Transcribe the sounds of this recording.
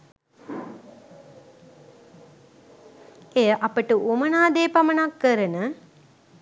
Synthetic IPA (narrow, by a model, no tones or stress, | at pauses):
ejəʔapəʈəumənaːd̪eːpamənakːəɾənə